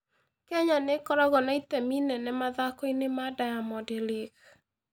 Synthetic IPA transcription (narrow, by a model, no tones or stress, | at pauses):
kɛɲanekɔɾɔɣɔnaitɛminɛnɛmaðakoinemadajamɔdeleɣ